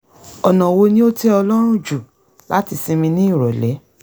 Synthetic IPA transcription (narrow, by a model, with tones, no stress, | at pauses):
ɔ˨nã˨wo˧nĩ˦o˦te˦ɔ˧lɔ˦ɾ̃ũ˦d͡ʒu˨ | la˦ti˧sĩ˧mĩ˧nĩ˦i˦˨ɾɔ˨lɛ˨˦